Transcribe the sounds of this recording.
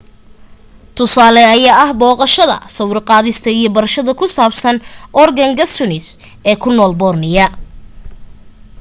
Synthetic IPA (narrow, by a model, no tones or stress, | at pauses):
t̪ʰʊsaːlɛɐjaːʔɐhbɔːqɑʃɐðɐ̰sɐwrqɑːðɪst̪ʰɐijɞbɐɾɐʃɐðɐkʰʊsaːbsɐnʔɔrɡɐŋɡɐsʊnɪs | ɛːkʰʊnɔːlbɔːrnɪjɐ